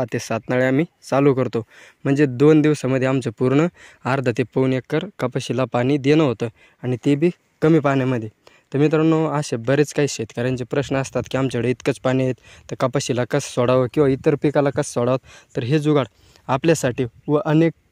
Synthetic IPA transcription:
at̪esat̪naɭeam̤iːt͡salukəɾt̪om̤əɳd͡zed̪ond̪iʋsaməd̪ʱːjeamt͡səpuɾɳəaɾd̪ʱət̪epəunekːəɾkəpəɕilapañiːd̪enəɦot̪ə | aɽ̃it̪ebʱiː | kəmiːpanjaməd̪ʱːjet̪əmiːt̪̬əɾnoaɕebəɾet͡skaɦiːɕet̪kaɾənd͡ʑepɾəɕnəəst̪at̪kiːamt͡səɽəit̪kət͡spanĩjet̪ːəɾkəpəɕilakəssɔɽaʋəkĩw̃ʋait̪əɾpikalakəssɔɽaʋət̪t̪ːəɾɦed͡zuɡaɽ | apljasaʈiːʋəʔənek̚

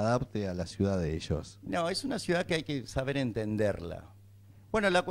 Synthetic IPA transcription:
ðapt̪ealasjuðaðeeʃo̰snoe̞sunasjuðakeajkesaβe̞ɾe̞nt̪ẽ̞nd̪e̞̰ɾla̰ | b̥we̞no̞lakw

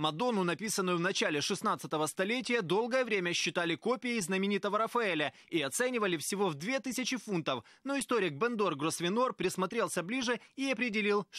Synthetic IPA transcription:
mɐd̪o̞nʊnɐpʲisənːʊjʊvnɐt͡ɕalʲɪʂɨsnat̪sɨt̪əvəst̪ɐlʲet̬ʲɪjəd̪o̞lˠɡəjəvɾʲemʲəɕːɪt̪alʲɪkopʲɪjɪznəmʲɪnʲit̪əvəɾəfɐɛlʲə | iɐt̪sɛnʲɪvəlʲɪfsʲɪvo̞vd̪vʲe̞t̪ɨsʲɪt͡ɕɪfunt̪əf | no̞ɪst̪oɾʲɪɡ̚bɛnd̪orɡɾosvʲɪnorpɾʲɪsmɐt̪ɾʲelˠsʲəblʲiʐɨiɐpɾʲɪdʲɪlʲilˠ

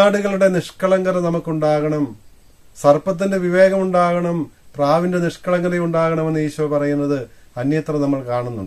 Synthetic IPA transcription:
aːɽuɣɐɭuɽe̞niʂkɐɭɐŋɡɐɾɐnɐmukːuɳɖaːɣɐɳɐm | sɐrpɐt̪̬ːinde̞ʋiʋe̞ːɣɐmuɳɖaːɣɐɳɐmpraːʋinde̞niʂkɐɭɐŋɡɐɾeuɳɖaːɣɐɳɐmenːiːɕuʋɐpɐrɐjunːɐðɨɐnjɐt̪rɐnɐmːɐɭkaːɳunːṵɳɖɨ

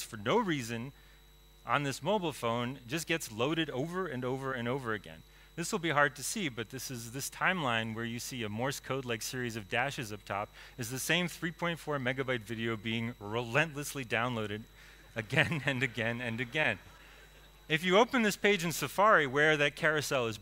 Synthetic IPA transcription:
fə˞noʊɹizɨ̃n | ʔə̰̃nðɪsmoʊbl̩ˠfõʊ̃nd͡ʒʌsɡ̥ɛtsloʊɾɨɾoʊvə˞ɨ̃noʊvə˞ɨ̃noʊvə˞ɨɡɛ̰̃n | ðɪswəl̩ˠbiɦɑɹd̚tʰɨsibʌt̪̚ðɪsɨzðɪstʰãɪ̃mlãɪ̃nwə˞jɨsiɨmɔɹskʰoʊdˡlaɪksɪɹizʌvdæʃɨzʌp̚tʰɑ̰pɨzðɨsẽɪ̃mθɹipʰɔ̃ɪ̃ntfɔɹmɛɡɨbaɪtvɪɾioʊbiɪ̃ŋɹɨlɛ̃nʔləslidãʊ̃nloʊɾɨɾ | ɨɡɛ̃nɨ̃nɨɡɛ̃nɨ̃nɨɡɛ̃n | ɨfjɨoʊpɨ̃nðɪspʰeɪd͡ʒɨ̃nsɨfɑɹiwə˞ðɨt̚kʰɛɹɨsɛlˠəz

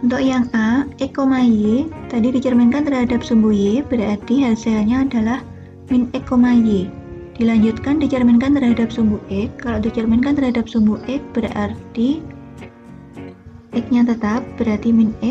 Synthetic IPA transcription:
unt̪ʊʔjaŋaɛkːomajet̪adidit͡ʃərmɛnkant̪ərɦadap̚sumbujeb̥əɾart̪iɦalsealɲaːdalah | minɛkːomaje | d̥ilaɲd͡ʒut̪̚kandit͡ʃərmɛnkant̪ərɦadap̚sumbuʔɛkːaloʔdit͡ʃərmɛnkant̪ərɦadap̚sumbuʔɛk̚b̥əɾa̰rt̪i | ʔɛk̚ɲat̪ət̪ap̚b̥əɾart̪iminɛk̚

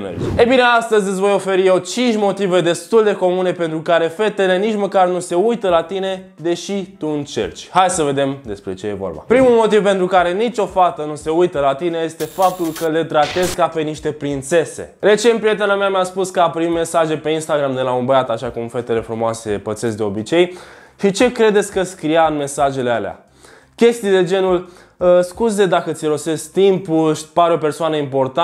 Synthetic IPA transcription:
nḛḭejbine̞ast̪əzʲɨt̪sʲvo̞jo̞fe̞ɾijewt͡ʃint͡ʃʲmo̞t̪ive̞d̪e̞st̪uld̪e̞ko̞mune̞pe̞nt̪ɾukaɾe̞fe̞t̪e̞le̞nit͡ʃməkarnuse̞ujt̪əlat̪ine̞ | d̪e̞ʃit̪uɨnt͡ʃe̞̰rt͡ʃʲhajsəve̞d̪e̞md̪e̞spɾe̞t͡ʃe̞je̞vo̞̰rba̰pɾimulmo̞t̪ivpe̞nt̪ɾukaɾe̞nit͡ʃʲo̞fat̪ənuse̞ujt̪əlat̪ine̞je̞st̪e̞fap̚t̪ulkəle̞t̪ɾat̪e̞zkape̞niʃt̪e̞pɾint̪se̞se̞̰ɾe̞t͡ʃenpɾijet̪e̞namameaspuskəapəɾimːe̞saʒe̞pe̞inst̪aɡɾamd̪e̞launbəjat̪aʃakumfe̞t̪e̞le̞fɾumoase̞pət̪se̞sd̪eo̞bit͡ʃe̞j | ʃit͡ʃe̞kɾe̞d̪esʲkəsʲkɾijaɨnme̞saʒe̞lealea̰ | kʲe̞st̪ijd̪e̞d͡ʒe̞nul | əskuzed̪akət̪siɾo̞se̞sk̚t̪impulʃpaɾeo̞persoanəimpo̞rt̪a

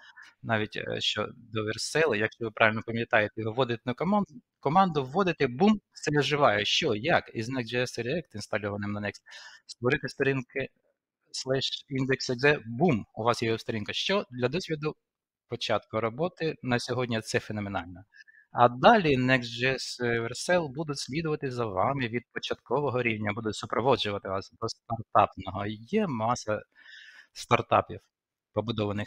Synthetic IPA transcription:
nɑʋʲitʲʃt͡ʃɔ̰d̪ɔʋersɛlˠɪjɐkʃt͡ʃɔʋɪpɾɑʋʲɪlʲnɔpɐmʲjɐt̪ɑjet̪ɛʋʋːɔd̪ɪt̪enʊkɔmɑn | kɔmɑnd̪ʊʋːɔd̪ɪt̪ɛbumsɛɛʒɪʋɑjɛʃt͡ʃɔjɐkiznɛk̪d͡ʒɛɛsɛɾʲɛk̚t̪inst̪ɐlʲɔʋɐnɪmnɐnɛksst̪ʋɔɾɪt̪ɪst̪ɔɾʲinkɪ | slˠɛʃind̪eksɛɡ̪ɛbumʊʋɑsjɛjɔst̪ɔɾʲinkɐʃt͡ʃɔd̪lʲɐd̪ɔsʲʋʲid̪ʊ | pɔt͡ʃɑt̪kʊɾɔbɔt̪ɪnɐsʲɔɦɔdʲnʲɐt̪sɛfenɔmenɑlʲnɔ | ɐd̪ɑlʲinɛksd͡ʒɛsʋɛrsɛlˠbud̪ʊtʲsʲlʲid̪ʊʋɐt̪ɪzɐʋɑmɪʋʲid̪̚pɔt͡ʃɐt̪kɔʋɔɦɔɾʲiwnʲɐbud̪ʊtʲsʊpɾɔʋɔd͡ʒʊʋɐt̪ɪʋɑsd̪ɔst̪ɐrt̪ɑpnɔɦɔjɛmɑsɐ | st̪ɐrt̪ɑpʲiw | pɔbʊd̪ɔʋɐnɪx

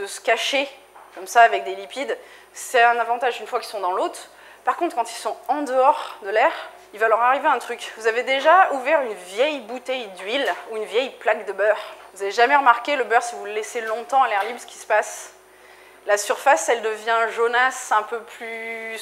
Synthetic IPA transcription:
d̪əsə̥kʲaʃe | kɔmsaːvɛk̚d̪elipid̪ | sɛt̪ɛ̃navɑ̃t̪aʒynfwakʲilsɔ̃d̪ɑ̃lot̪χ | paʁkɔ̃t̪χkɑ̃t̪ilsɔ̃ɑ̃d̪əɔʁd̪əlɛʁ | ilvalœʁaʁiveaɛ̃t̪χykvuzaved̪eʒauvɛʁynvjɛjbut̪ɛjd̪ɥiluynvjɛjplakd̪əbœʁvuzaveʒamɛʁəmaʁkʲeləbœʁsivuləlɛselɔ̃t̪ɑ̃alɛʁlibsə̥kʲi̥sə̥pas | lasyʁfasɛld̪əvjɛ̃ʒonasɛ̃pøply

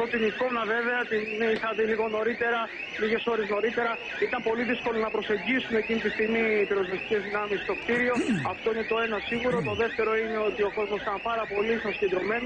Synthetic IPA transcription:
ot̪iniko̞nɐve̞ve̞ɐt̪iniθɐðiliɣo̞no̞ɾit̪e̞ɾɐ | liɣe̞so̞ɾe̞zno̞ɾit̪e̞ɾɐ | it̪ɐmpo̞liðisko̞lonɐpɾo̞se̞ɲɟisume̞ːcinit̪ist̪iɣmiːpiɾozvest̪i̥ce̞zðinɐmist̪o̞kt̪iɾio̞ɐft̪oine̞t̪o̞e̞nɐsiɣuɾo̞t̪o̞ðe̞ft̪e̞ɾo̞ine̞o̞t̪io̞ko̞zmosit̪ɐmpɐɾɐpo̞lisɐnsced̪ɾo̞me̞no

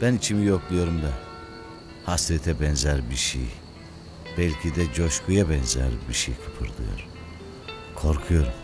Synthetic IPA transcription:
b̥ænit͡ʃʰimijoklˠujo̞ɾumd̪a | hasɾɛt̪ʰɛbɛnzæɾbiɾʃḭj | b̥ɛlʲcʰid̪ɛd͡ʒoʃkujabɛnzæ̰ɾbiɾʃejkʰɯpʰɯɾd̪ɯ̰jo̰ɾ | kʰo̞ɾkʰujo̞ɾum

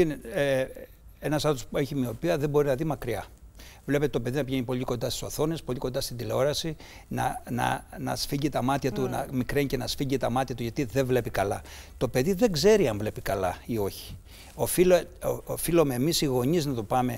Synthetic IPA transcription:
ine | enɐsɐt̪ospue̞çimio̞piɐðebo̞ɾinɐðimɐkɾiɐ̰vle̞pet̪et̪ope̞ðinɐpʝe̞ɲipo̞ʎiko̞nd̪ɐst̪i̥so̞θo̞ne̞spo̞liko̞nd̪ɐst̪ind̪ile̞o̞ɾɐsinɐ̰nɐ̰nɐ̰sfiʝit̪ɐmɐt̪çɐt̪unɐ̰mikɾeɲcenɐsfiɲɟit̪ɐmɐt̪çɐt̪uʝɐt̪iðe̞vle̞pikɐlɐ̰ | t̪o̞pe̞ðiðe̞ɡze̞ɾiɐɱvle̞pikɐlɐio̞çi̥ | ofiloofilomeːmisiɣo̞ɲiznɐt̪o̞pɐme̞

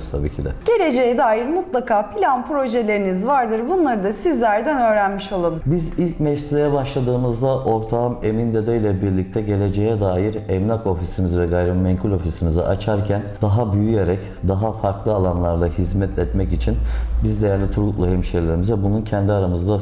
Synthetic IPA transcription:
st̪ʰabḭːcʰid̪ɛ̰ɟ̥e̞lʲe̞d͡ʒejɛd̪aːjiɾmut̪lˠakʰaːpʰilʲanpɾo̞ʒelʲe̞ɾinizvaɾd̪ɯɾbunlˠaɾɯd̪asizlʲæɾd̪ænø̞ːɾænmiʃolˠunbizilʲcmɛʃsid̪ajabaʃlˠad̪ɯːmɯzd̪aʔo̞ɾt̪ʰamemind̪ed̪øjlʲɛbiɾlʲic̚t̪ʰɛɟe̞lʲe̞d͡ʒejɛd̪aːjiɾɛmnʲako̞fisimizvɛɡajɾebimɛɲkʰulʲo̞fisimizɛ̰ʔat͡ʃʰaɾcʰænd̪̥aɦabyjyje̞ɾɛc | d̪aɦafaɾklˠɯalˠanlˠaɾd̪ˠahizmɛt̪ʰɛt̪mɛcit͡ʃʰinbizd̪e̞jæɾlʲit̪ʰuɾɡuk̪lˠuɦɛmʃelʲeɾimizvɛbununcʰɛnd̪iaɾamɯzd̪a

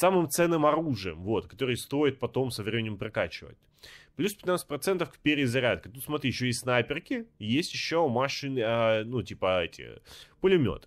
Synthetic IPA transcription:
samɨmt̪sɛnːɨmɐɾuʐɨjəmvo̞t̪kɐ̥t̪o̞ɾɨjst̪o̞jɪt̪̚pɐt̪o̞msəvɾʲemʲɪnʲɪmpɾɐkat͡ɕɪvə̰t̚ʲ | plʲuspʲɪ̥t̪nat̪sɨ̥tʲpɾɐt̪sɛnt̪əfkpʲeɾʲɪzɐɾʲat̪̚kʲət̪ut̪smɐt̪ɾʲiːɪɕːojesʲsnajpʲɪrkʲɪjesʲtʲjɪɕːomaʂɨnənutʲipəɛtʲɪ̰pəlʲɪmʲo̞̰t̪ɨ

